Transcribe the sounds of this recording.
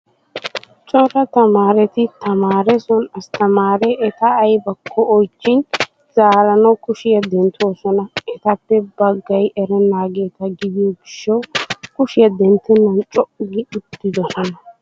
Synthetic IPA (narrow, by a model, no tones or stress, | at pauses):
t͡ʃʼɔɾɐt̪ɐmaːɾɛt̪ɪt̪ʰɐmaːɾɛsɔnɐst̪ɐmaːɾɛːt̪ɐːjbɐkʰːɔɔjt͡ʃːɪn | z̥aːɾɐnɐwkʊʃɪjɐd̪ɛnt̪ʰo̞ːsɔnɐɛt̪ɐpːɛbɐɡːɐjʔɛɾɛnaːɡe̞ːt̪ɐɡɪd̪ɪjɔɡɪʃːɐwkʊʃɪjɐd̪ɛnt̪ːɛnɐwt͡ʃʼɔʔɪɡɪʊd̪ːɪd̪ɔsɔnɐ